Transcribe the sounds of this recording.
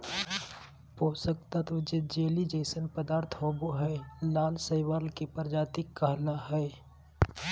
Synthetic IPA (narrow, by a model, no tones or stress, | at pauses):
poːsək̚t̪ət̪ʋɪd͡ʒɪt̪̚d͡ʒeːlid͡ʒəɪsənpəd̪aːɾt̪ʰɦoːboɦɛlaːlsəɪʋaːlkipəɾd͡ʒaːt̪ɪkːəɦlaɦɛ